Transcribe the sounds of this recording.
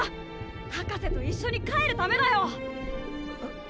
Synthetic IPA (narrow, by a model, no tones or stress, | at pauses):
hakase̞t̪o̞iɕːo̞ɲ̟ikae̞ɾɯ̟t̪ame̞d̪ajo̞